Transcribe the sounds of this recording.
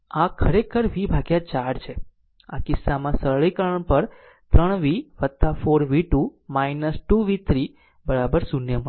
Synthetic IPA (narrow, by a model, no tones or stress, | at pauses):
akʰəɾekʰəɾʋibʱaɡjat͡ʃaɾt͡ʃʰe | akɪsːamãsəɭɭikəɾəɳpəɾ | t̪ɾəɳ̃ʋiʋət̪ːafoɾʋiʈumajnəsʈuʋit̪ɾi | bəɾabəɾsunjəmə